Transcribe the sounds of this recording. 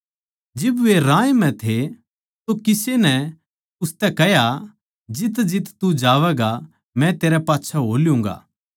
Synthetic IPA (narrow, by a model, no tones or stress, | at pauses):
d͡ʒɪbʋeɾãːjmɛ̃t̪ʰe | t̪okɪsenɛ | ʊst̪ɛkɛɦja | d͡ʒɪt̪d͡ʒɪt̪t̪ud͡ʒaːʋɛːɡa | mɛ̃t̪eːɾɛpaːtːʃʰaɦoːljʊ̃ːŋ̆ɡa̰ː